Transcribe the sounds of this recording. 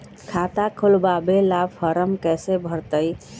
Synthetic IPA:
kʰat̪akʰulbabelabfəɾəmkɛsebʱəɾt̪əj

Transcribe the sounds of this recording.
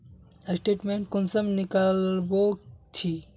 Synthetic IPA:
əsʈeːʈmẽɳʈ̚kʊnsəmnikalbot͡ʃʰi

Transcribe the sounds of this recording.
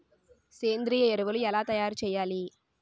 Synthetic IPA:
seːnd̪ɪɾijɐɛɾɯʋɐlɯɛlaːt̪ɐjaːɾt͡ʃɛjːaːli

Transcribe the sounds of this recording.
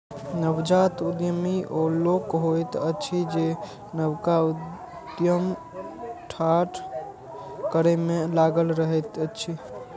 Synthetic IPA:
nəbd͡ʒat̪ud̪jəmiʔolokɦojt̪ət͡ʃʰid͡ʒe | nəbkau | d̪jəm | ʈʰaʈ | kəɾɛmelaɡəlɾəɦɛt̪ət͡ʃʰi

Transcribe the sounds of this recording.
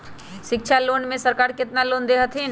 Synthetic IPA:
ʃɪkʃʰaloːnmẽsəɾkaːɾkɪt̪naloːnd̪eɦət̪ʰɦĩn

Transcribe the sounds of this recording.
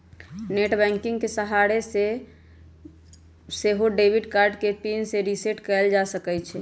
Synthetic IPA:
neʈbɛ̃ŋkĩŋɡkesəɦaɾese | seɦoɖebiɖkaɾɖkepinseɾiseʈkɛld͡ʒasəkɛt͡ʃʰɛ

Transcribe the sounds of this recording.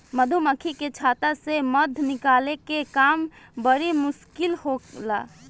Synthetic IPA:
məd̪ʱuməkʰiket͡ʃʰaːt̪aseməd̪ʱnɪkaːlekekaːm | bəɾimʊʃkɪlhola̰ː

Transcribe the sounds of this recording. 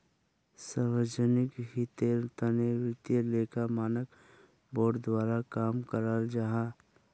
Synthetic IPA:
saɾʋəd͡ʒənɪkɦit̪eɾt̪anewɪt̪jeleːkamaːnək | boːɖd̪waːɾakaːmkəɾaːld͡ʒaɦã

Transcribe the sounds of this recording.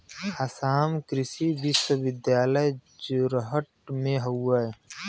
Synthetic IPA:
hasaːmkɾɪsibisəʋɪd̪jaːləjd͡ʒʊɾɦəʈmẽɦɐəj

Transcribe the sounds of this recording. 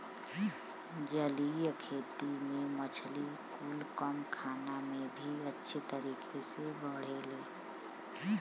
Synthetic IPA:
d͡ʒəlijkʰeːt̪imẽmət͡ʃʰlikuːlkəmkʰaːnamẽbʱiətːʃʰet̪əɾiːkʰesebəɽ̤eleː

